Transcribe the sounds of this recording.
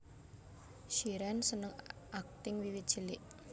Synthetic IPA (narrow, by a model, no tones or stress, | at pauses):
ʃiɾɛnsənəŋʔak̚t̪ɪŋwiwit̪̚ʒ̥ilɪʔ